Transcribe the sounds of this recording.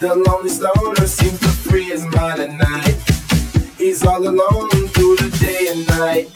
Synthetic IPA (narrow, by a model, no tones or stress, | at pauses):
ðəlɔ̃ŋslõʊnə˞sĩmtəpʰɹ̥ɛzmaɪɾɨnaɪt̚ | izɔləlõʊnə̃ntʰuðɨdeɪɨ̃nːaɪt̚